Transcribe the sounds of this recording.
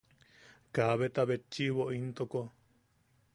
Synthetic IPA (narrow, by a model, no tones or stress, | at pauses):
kaβet̪aβet͡ʃːiβoʔint̪oko